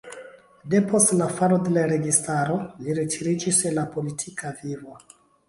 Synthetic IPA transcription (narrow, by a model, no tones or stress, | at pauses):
de̞po̞stlafaɾo̞de̞laɾe̞ɡistaɾo̞liɾetʰiɾid͡ʒiselapo̞litʰikavivo